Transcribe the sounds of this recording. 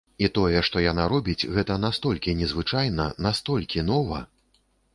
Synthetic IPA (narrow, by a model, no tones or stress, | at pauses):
it̪ɔjɛʂt̪ɔjanaɾɔbʲit͡sʲɣɛt̪ɐnast̪ɔlʲkʲinʲɛzvɨt͡ʂajnɐnast̪ɔlʲkʲinɔvɐ